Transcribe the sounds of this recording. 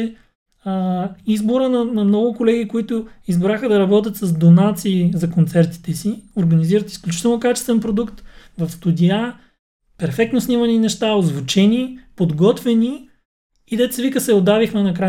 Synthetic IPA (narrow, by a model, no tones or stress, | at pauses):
əizboɾənɐnɐmnɔɡʊkolɛɡ̟ikoit̪ʊizbɾaxəd̪ɐɾɐbɔt̪ʲɐt̪sɐzd̪onat̪siːzɐkont̪sɛɾt̪i̥t̪ɛsioɾɡɐniziɾət̪isklʲut͡ʃit̪ɛlˠnokat͡ʃɛ̥st̪vɛnpɾod̪ukt̪ | vɐfst̪ud̪ʲia | pɛɾfɛk̚t̪nosnimɐninɛʃt̪aozvot͡ʃɛnipod̪ɡɔt̪vɛni | id̪ɛt̪svikəsɛod̪avixmɛnɐkɾa